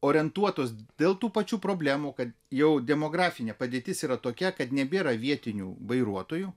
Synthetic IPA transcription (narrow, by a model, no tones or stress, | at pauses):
oːɾʲɛnt̪uɔt̪oːsd̪ʲeːlˠt̪uːpɐt͡ʃʲuːpɾoːbʲlʲæːmuːkɐt̪jɛʊd̪ʲɛmoːɡɾɑːfʲɪnʲeːpɐdʲieːt̪ʲɪsiːɾɐt̪oːkʲɛkɐt̪nʲɛbʲeːɾɐʋʲiɛt̪ʲɪnʲṵːʋɐɪɾuɔt̪oːju